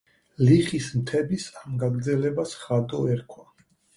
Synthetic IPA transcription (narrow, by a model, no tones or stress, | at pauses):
liχismt̪ʰɛbisamɡaɡɾd̪zɛlɛbasχad̪ɔɛɾkʰwa